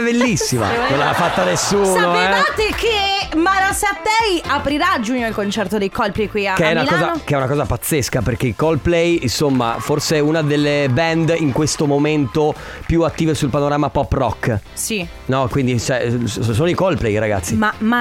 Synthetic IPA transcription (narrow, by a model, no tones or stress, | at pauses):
belːisːima̰nõnlaafat̪ːanesːuːnoɛat̪ːekemaɾasat̪ːɛjapɾiɾad͡ʒuɲːoilkont͡ʃɛrt̪od̪ejkɔlplejkwiakeɛmunailɔːzakeɛunakɔːzapat̪sːeskaperk̟eikɔlplɛjinsomːa̰forseɛunad̪elːebɛnd̪iŋkwest̪omoment̪o | pjuat̪ːiːvesulpanoɾaːmapɔpːrɔ̰kː | si | nɔkwind̪it͡ʃɛosoːnoikɔlplɛjɾaɡa̰t̪sːimama